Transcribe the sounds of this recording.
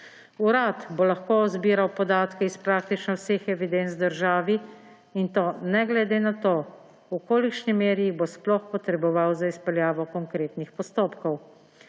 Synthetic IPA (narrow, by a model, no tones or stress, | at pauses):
uɾat̪bolaxkozbiːɾawpɔd̪aːt̪kɛispɾaːk̚t̪it͡ʃnɔwseːxɛʋid̪ent̪zd̪əɾʒaːʋi | int̪oːnɛɡlɛd̪eːnat̪oː | ukoːlikʃnimeːɾiibosplɔxpɔt̪ɾɛbɔʋawzaispɛljaːʋɔkɔŋkɾeːt̪nixpɔst̪oːpkɔw